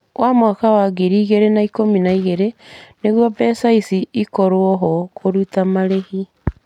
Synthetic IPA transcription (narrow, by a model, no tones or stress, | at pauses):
wʔamwakawaɡeɾiːɣeɾenaikominaiɣeɾeneɣwɔbɛsaisiikɔɾoɔɦɔkoɾutamaɾehi